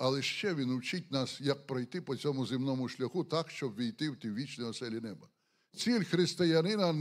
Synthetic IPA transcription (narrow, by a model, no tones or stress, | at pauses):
ɐlˠɛʃt͡ʃɛʋʲinʊwt͡ʃɪt̚ʲnasjɐk̚pɾɔjt̪ɪpɔt͡sʲɔmʊzɪmnɔmʊʃlʲɐxut̪akʃt͡ʃɔbʋʲijt̪ɪwt̪ʲiwʋʲit͡ʃnɔjɔsɛlʲinɛbɐ | t͡sʲilʲxɾɪst̪ɪjɐnɪnɐ